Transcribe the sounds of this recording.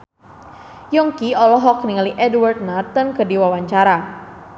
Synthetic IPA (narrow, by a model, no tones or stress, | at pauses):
jɔŋkiɔlɔɦɔkniŋaliʔɛdwart̪̚nart̪ənkədiwawaɲt͡ʃaɾa